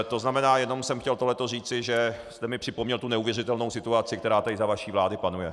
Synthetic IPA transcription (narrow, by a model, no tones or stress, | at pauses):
t̪o̞znamɛnaːjɛno̞msɛmxcɛlt̪oɦlɛt̪oriːt͡sɪʒɛst̪ɛmɪpr̥ɪpomɲɛlt̪unɛuvjɛrɪt̪ɛlno̞wsɪt̪uat͡sɪk̚t̪ɛɾaːt̪aɪzavaʃiːvlaːdɪpanujɛ